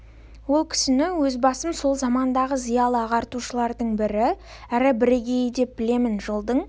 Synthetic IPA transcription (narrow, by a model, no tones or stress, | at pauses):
wo̞lˠkʲʰɪ̥sɪnɪwɵzbɑsəmso̞lˠzɑmɑnd̪ɑʁəzijɑlˠəɑʁɑɾt̪uʃəlˠɑɾd̪əɴbɪɾɪ | æɾɪbɪɾeɡʲe̞jəd̪e̞p̚bɪle̞mɪnʒolˠd̪əɴ